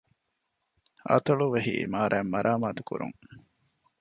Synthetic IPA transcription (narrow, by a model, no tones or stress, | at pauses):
ɐ̰t̪ɐɭuʋeɦḭmaːɾʔæːmːɐɾʔaːmaːt̪ukṵɾṵŋ